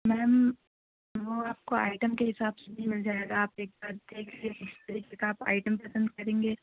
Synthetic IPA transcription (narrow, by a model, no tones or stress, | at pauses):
mɛːm | ʋoaːp̚koa̰ːɪʈəmkeɦɪsaːbsebʱimɪld͡ʒaːeɡaːpeːk̚baːɾ̚d̪eːkʰlieɪst̪ɐɾikekaaːpa̰ːɪʈəmpɐsə̃nd̪kɐɾẽːŋɡeː